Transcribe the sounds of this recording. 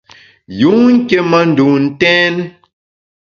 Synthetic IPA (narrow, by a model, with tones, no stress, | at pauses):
ju˨˦ŋ̩˦ke˦ma˦n̩˨du˨n̩˨tɛː˦n